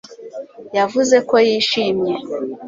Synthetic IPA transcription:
javuze̞ko̞jiːʃimje

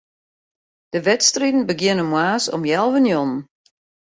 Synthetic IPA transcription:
d̥əʋɛtstridn̩bəɡjɪnəmwaːsɔ̰mjɛlˠvənjɔnn

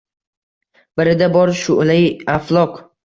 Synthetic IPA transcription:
b̥ɪɾɪd̪abɒɾʃʊʔlɪjaflˠɒq

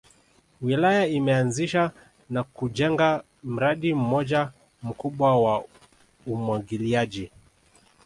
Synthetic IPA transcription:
wilajaimɛanziʃa | nakuʄɛŋɡa | m̩ɾaɗim̩mɔʄa | m̩kuɓwawa | umwaɡiliaʄi

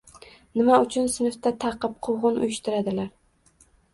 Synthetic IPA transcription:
nɪmaʊt͡ʃʰʊnsɪnɪft̪at̪ʰɑqɨp̚qʰoʁɨnʊ̰jɪʃt̪ɪɾad̪ɪlaɾ

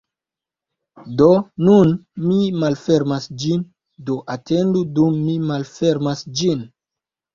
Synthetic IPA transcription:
donunmimalfeɾmasd͡ʒin | do̞ʔatendudumːimalfe̞ɾmasd͡ʒin

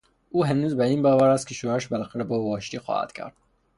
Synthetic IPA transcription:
uːɦænuːzbæiːnbɒːvæɾæst̪̚kʰeʃoæʃbælæxæɾɛbovɒːʃt̪iːxɒ̰ːhæ̰d̪̥kʰæ̰ɾd̪̥

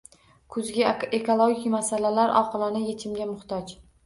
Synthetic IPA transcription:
kʰʊzɡʲɪekʰolˠoɡʲikʲmasalalaɾʔɒ̰qʰɨlˠanɪjet͡ʃʰɪmɡʲamʊχt̪ʰɒt͡ʃ

